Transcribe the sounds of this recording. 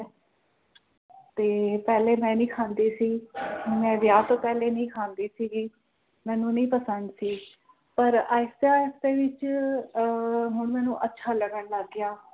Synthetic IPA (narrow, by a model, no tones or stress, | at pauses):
t̪eːpɛːleːmɛ̃ːnĩːkʰaːnd̪iːsiːmɛ̃ːʋjaːt̪õːpɛːleːnəĩːkʰaːnd̪iːsiːɡiː | mɛ̃ːnũːnəĩːpəsənd̪siː | pəɾaːɪsaːɪst̪eːʋɪt͡ʃ | ɦʊɳ̃mɛ̃ːnũːʔətːʃʰaːləɡəɳləɡːjaː